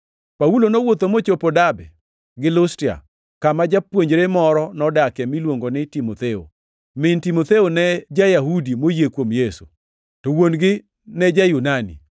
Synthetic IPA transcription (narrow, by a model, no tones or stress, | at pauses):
paulonowot̪omot͡ʃopodabɛ | ɡɪlʊstia̰ | kamad͡ʒapwoɲd͡ʒɾemɔɾɔnɔdakɛmilwoŋɡonɪtimot̪eo̰ | mɪntimot̪eonɛd͡ʒajaɦudimojekwomjesu̥̰ | towonɡɪ | nɛd͡ʒajunanḭ